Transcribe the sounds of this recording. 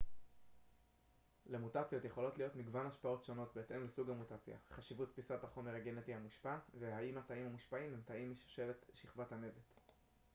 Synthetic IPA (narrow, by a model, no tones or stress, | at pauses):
lemutat͡sjo̞t̪je̞χo̞lo̞tlijo̞tmiɡvanaʃpao̞tʃo̞no̞tbeːtemlesuɡhamutat͡sja̰χaʃivutpisataχo̞meʁaɡe̞ne̞tihamuʃpave̞haimhataimhamuʃpaimemtaimiʃu̥ʃe̞ve̞tʃiχvathame̞vet̪